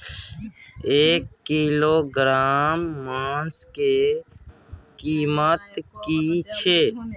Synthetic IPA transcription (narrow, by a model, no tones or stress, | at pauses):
eːkːiːloːɡɾaːmːaːske | kiːmət̪kit͡ʃʰeː